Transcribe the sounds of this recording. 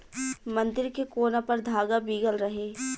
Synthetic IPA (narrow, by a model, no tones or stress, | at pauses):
mɐ̃nd̪ɪɾkekoːnapɐɾd̪ʱaːɡabiːɡəlɾɐɦeː